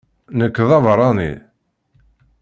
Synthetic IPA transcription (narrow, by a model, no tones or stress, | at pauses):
nəkːðɑvɾˤɑnḭ